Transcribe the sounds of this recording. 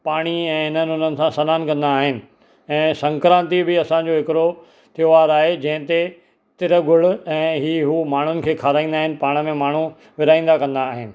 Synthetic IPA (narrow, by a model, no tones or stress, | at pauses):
paːɽ̃iɛ̃ːɦɪnənɪʊn̤ənɪ̆sãsɐnaːnkɐ̃nd̪aːɦɪnɪ̆ | ɛ̃ːsɐ̃ŋkɾãːnt̪ibɪɐsãd͡ʑoɦɪkɪɾo | t̪ʰijoʋaːɾaːɦed͡ʑɐ̃ɦɪ̃t̪e | t̪ɪɾəɡʊɭ̤ʊɛ̃ːɦiːɦuːmaːɳ̤ʊnɪ̆kʰeːkʰaːɾaːĩnd̪aːɦɪnɪ̆paːɽ̃ə̆mẽmaːɳ̤u | ʋɪɾaːĩːnd̪akɐ̃nd̪aːɦɪnɪ̆